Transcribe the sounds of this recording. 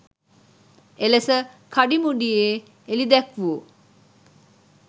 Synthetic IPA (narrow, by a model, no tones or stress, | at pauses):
elesə | kʰaɖimuɖijeː | elid̪ɛkʋuː